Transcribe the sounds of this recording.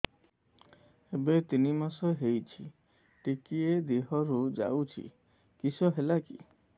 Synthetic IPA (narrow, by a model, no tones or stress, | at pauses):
ebet̪inimasɔɦejt͡ʃʰi | ʈikied̪iɦɔɾud͡ʒa̰wt͡ʃʰḭ | kisɔɦelakḭ